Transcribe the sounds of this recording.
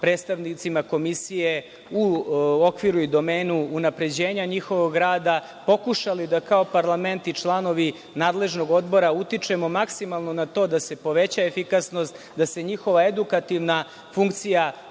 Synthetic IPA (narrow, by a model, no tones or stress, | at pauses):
pɾed̪st̪aʋnit̪simako̞misije | uokʋiɾuid̪o̞me̞ːnuːnapɾe̞d͡ʑe̞ːɲaɲixo̞ʋo̞ɡɾaːd̪a | po̞kuʃalid̪akao̞paɾlˠame̞nt̪it͡ʃlˠano̞ʋi | naːd̪le̞ʒno̞ɡo̞d̪bo̞ɾaut̪it͡ʃe̞mo̞maksimalˠno̞nat̪o̞ːd̪ase̞po̞ʋe̞t͡ɕaefikasno̞st̪ | d̪ase̞ɲixo̞ʋae̞d̪ukat̪iʋna | fuŋkt̪sija